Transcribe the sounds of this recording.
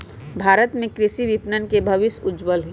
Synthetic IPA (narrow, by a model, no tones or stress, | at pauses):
bʱaːɾət̪mẽkɾɪʃiʋɪpnənkebʱɐʋɪsʊd͡ʒwəlɦi